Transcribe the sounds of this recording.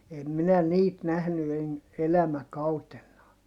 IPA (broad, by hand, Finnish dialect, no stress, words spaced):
em minæ niːt næhny en elæmækɑutenːɑː